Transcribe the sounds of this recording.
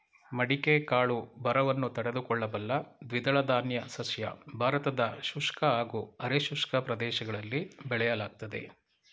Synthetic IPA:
mɐɽikekaːɭubɐɾɐʋɐnːut̪ɐɽe̞d̪ukɔɭːɐbɐlːɐd̪ʋid̪ɐɭɐd̪aːnjɐsɐsjɐ̰bʱaːɾɐt̪ɐd̪ɐʃuʂkɐaːɡuɐɾeʃuʂkɐpɾɐd̪ɛːʃɐɡɐɭɐlːibɛɭɛjɐlaːɡ̚t̪ɐd̪e̞̰

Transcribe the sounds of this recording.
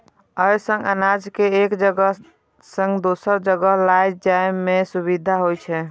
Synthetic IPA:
əɪsə̃ŋɡənad͡ʒkeːkd͡ʒəɡə | sə̃ŋɡd̪osəɾd͡ʒəɡəɦlajd͡ʒaemesuβid̪ʱaɦojt͡ʃʰɛ

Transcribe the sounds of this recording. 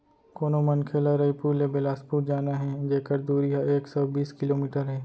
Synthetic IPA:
koːnomɐnkʰeːlaɾɐipuːɾlebɪlaːspuːʈ̚d͡ʒaːnaɦɛd͡ʒeːkəɾd̪uːɾijaeːksɐbbiːskɪloːmiːʈəɾɦɛː

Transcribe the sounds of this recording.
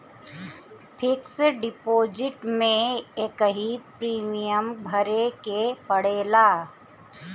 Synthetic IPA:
pʰɪkseɖɪpoːd͡ʒɪʈmẽeːkəɦipɾiːmijəmbʱəɾekepəɽeːlaː

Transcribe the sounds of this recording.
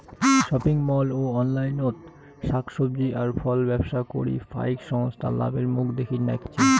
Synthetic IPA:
ʃɔpiŋmɔloɔnlajnot̪ | ʃakʃob̚d͡ʑiʔaɾfʰɔlbɛbʃakoɾḭfa̰jkʃɔŋost̪ʰa̰la̰beɾmukʰd̪ekʰinɛ̰kt͡ɕʰi

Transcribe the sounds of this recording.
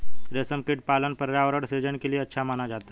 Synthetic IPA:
ɾesəmkeʈ̚palənpəɾɾaʋɾəɽsed͡ʒənkelieətːʃʰamanad͡ʒat̪a

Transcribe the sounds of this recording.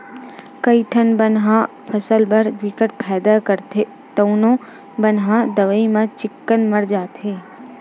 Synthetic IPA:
kəiʈʰənbənɦã | pʰəsəlbəɾɡʋɪkəʈ̚pʰɛːd̪akəɾt̪ʰe | t̪əũnõ | bənɦãd̪əʋəimãt͡ʃɪkːənməɾd͡ʒaːt̪ʰeː

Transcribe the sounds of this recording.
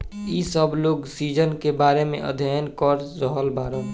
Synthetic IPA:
isəbloːɡsiːd͡ʒənkebaːɾemḛ̃ʔə̰d̪ʱjajənkɔːɾɾəɦəlbaːɾə

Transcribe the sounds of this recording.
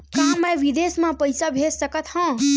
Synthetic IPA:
kãːmə̃ʋid̪esmãpəjsabʱessəkət̪hãː

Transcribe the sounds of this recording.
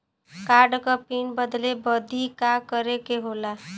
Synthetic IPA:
kaɾɖkʌpinbəd̪lebəd̪ikakəɾekeɦola

